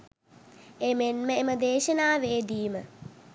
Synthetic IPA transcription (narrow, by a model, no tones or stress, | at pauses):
emenməeməd̪eːʃɐnaːʋeːdiːmə